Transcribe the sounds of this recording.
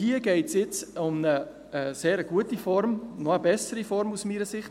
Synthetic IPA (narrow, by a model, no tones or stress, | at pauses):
hiəɡ̥ɛɪtsjɪt͡sʊmnə | seːɾəɡ̥uətifɔɾmnɔəbɛsəɾifɔɾmusmiːɾəsɪχt